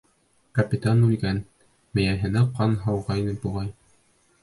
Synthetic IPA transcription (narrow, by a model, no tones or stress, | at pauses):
kɐpʲit̪anʉlɡæn | mɘ̆jæɦɘ̆nɘqɑnɦɑwʁɑinɘbuʁɑj